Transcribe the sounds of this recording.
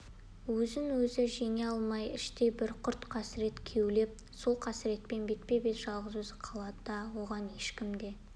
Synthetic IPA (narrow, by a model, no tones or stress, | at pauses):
wɵzɪnwɵzɪʒeŋeɑlˠmɑjɪʃt̪e̞bɪɾqʰʊɾt̪qʰɑsɪɾe̞t̪kʲʰe̞wle̞p̚ | so̞lˠqʰɑsɪɾe̞t̪pe̞nbe̞t̪̚pe̞be̞t̪ʒ̥ɑlˠʁəzwɵzɪqʰɑlˠɑd̪əd̪ɑwo̞ʁɑnje̞ʃkʲɪmd̪e̞